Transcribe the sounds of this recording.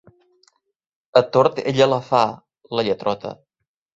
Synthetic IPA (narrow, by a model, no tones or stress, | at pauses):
ət̪oɾt̪eʎələfa | ləʎət̪ɾɔt̪ə̰